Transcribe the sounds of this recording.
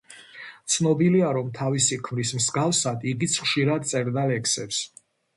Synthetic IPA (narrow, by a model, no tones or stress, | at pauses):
t̪sʰnɔbiliaɾɔmt̪ʰavisikʰmɾismsɡafsad̪iɡit̪sʰχʃiɾad̪̚t̪sʼɛɾd̪alɛksɛps